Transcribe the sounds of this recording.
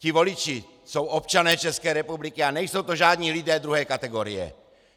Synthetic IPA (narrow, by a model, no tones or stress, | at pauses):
civo̞lit͡ʃi | sowop̚t͡ʃanɛːt͡ʃɛskɛːɾɛpublikianɛjsowt̪oʒaːd̪ɲiːlidɛːd̪ɾuɦɛːkat̪ɛɡoɾḭjɛ̰